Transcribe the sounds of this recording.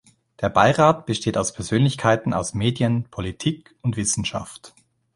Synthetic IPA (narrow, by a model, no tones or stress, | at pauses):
d̥eːɐbaɪʁaːtb̥əʃteːtaʊspʰɛɐzøːnlɪçkʰaɪtn̩ʔa̰ʊsmeːdjənpʰolitʰiːk | ʊntv̥ɪsn̩ʃa̰ft